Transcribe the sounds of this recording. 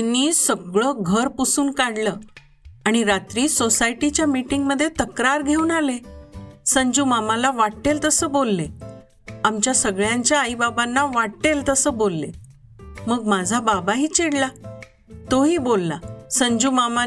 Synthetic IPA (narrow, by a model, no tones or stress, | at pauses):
t̪inːiːsəɡɭəːɡʱəɾpusuːnkaɽləː | aɽ̃iɾat̪ɾiːsosaiʈit͡ɕjamiʈiŋɡməd̪ʱːjet̪əkɾaɾɡʱeuːnalesəɲd͡ʑuːmamalaʋaɽʈelt̪əsəːbolːe | amt͡ɕjasəɡɭjaɲt͡ɕjaːibabanːaʋaʈelt̪əsəːbolːḛ | məɡmad͡zʱababaɦiːt͡ɕeɽla | t̪oɦiːbolːasəɲd͡ʑuːmama